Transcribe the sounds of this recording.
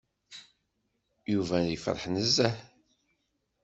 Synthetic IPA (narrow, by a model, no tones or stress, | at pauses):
juvænəfɾˤəħnəzːæħ